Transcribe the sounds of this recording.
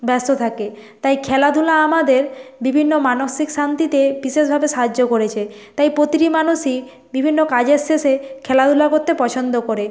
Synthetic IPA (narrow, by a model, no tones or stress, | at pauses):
bɛst̪ot̪ʰake | t̪ajkʰɛlad̪ʱulaamad̪eɾbibʱinːomanoʃikʃant̪it̪ebiʃeʃbʱabeʃaɦad͡ʑːokoɾet͡ɕʰe | t̪ajpɾot̪iɾimanuʃi | bibʱinːokad͡ʑesesekʰɛlad̪ʱulakoɾt̪epɔt͡ɕʰond̪okoɾe